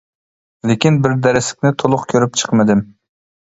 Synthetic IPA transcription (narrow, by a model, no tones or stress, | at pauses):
lekʲinbɪɾd̪æɾɪsɪ̥kʲnɪt̪ʰolˠʊχkʲʰøɾyp̚t͡ʃʰə̥qmɪd̪ɪm